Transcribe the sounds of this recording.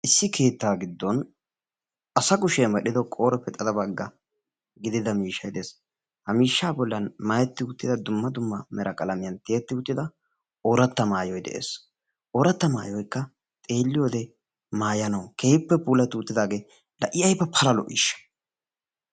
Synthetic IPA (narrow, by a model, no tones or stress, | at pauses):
ʔɪsːɪkʰe̞ːt̪ːaːɡɪd̪ːɔn | ʔɐsɐkʊʃeːmɐɗɪd̪ɔkʼoːɾɛpɛt̪ʼːɐd̪ɐbɐɡːɐ | ɡɪd̪ɪd̪ɐmiːʃːɐjd̪eːs | hɐmiːʃːaːbɔlːɐnmaːjɛt̪ːɪʊt̪ːɪd̪ɐd̪ʊmːɐd̪ʊmːɐmɛɾɐkʼɐlɐmɪjɐnt̪ɪɛt̪ːɪʊt̪ːɪd̪ɐ | ʔɔɾɐt̪ːɐmaːjɔjd̪ɛ̰ʔḛːs | ʔɔːɾɐt̪ːɐma̰ːjɔjkːɐ | t̪ʼe̞ːlːɪjoːd̪ɛ | maːjɐnɐwkʰeːpːɛpuːlɐt̪uːt̪ːɪd̪aːɡeː | lɐʔɪɐjbːɐpʰɐlɐlɔ̰ʔḭːʃːɐ̥